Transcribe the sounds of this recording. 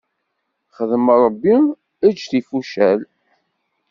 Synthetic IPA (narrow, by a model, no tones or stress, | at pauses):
χəðmɾˤəbːi | æd͡ʒθifuʃæl